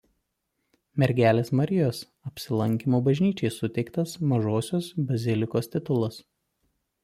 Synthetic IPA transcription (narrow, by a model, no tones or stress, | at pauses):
mʲɛɾʲɡʲæːlʲeːsmɐɾʲɪjoːs | ɐpʲsʲɪlˠɐŋʲkʲiːmoːbɐʒʲnʲiːt͡ʃʲɛɪsʊt̪ʲɛɪkt̪ɐsmɐʒoːsʲoːsbɐzʲɪlʲɪkoːst̪ʲɪt̪ʊlˠɐs